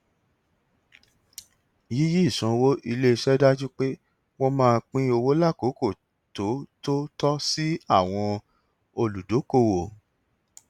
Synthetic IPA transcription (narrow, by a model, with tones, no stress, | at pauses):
ji˨˦ji˦˨sũ˨˦˧wo˦ʔi˧le˦˧ʃɛ˦da˦d͡ʒu˦k͡pe˦ | wɔ̃˧mãː˦˧k͡pĩ˦o˧wo˦la˦˨ko˨˦ko˦˨ | to˨˦to˦tɔ˦si˦a˦˨w̃ɔ̃˧ | o˧lu˨do˨˦ko˦˨wo˨